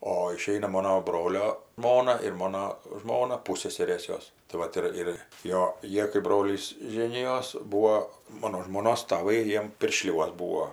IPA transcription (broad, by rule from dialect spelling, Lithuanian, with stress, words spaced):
oː ɪˈʃʲɛɪnɐ ˈmoːnoː ˈbroːlʲoː ˈʒmoːnɐ ɪr ˈmoːnoː ˈʒmoːnɐ ˈpʊsʲsʲɛsʲɛrʲeːs ˈjoːs tɐɪ ˈʋɐt ɪr ɪr ˈjoː ˈjiɛ kɐɪ ˈbroːlʲiːs ˈʒʲeːnʲɪjoːs ˈbuːoː ˈmoːnoː ʒmˈoːnoːs tɐˈʋɐɪ ˈjiɛm pʲɪrʲˈʃʲlʲuɔs ˈbuːoː